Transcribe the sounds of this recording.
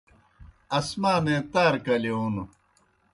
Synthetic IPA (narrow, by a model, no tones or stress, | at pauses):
ɐsmaːnẽːt̪aːɾkɐliunu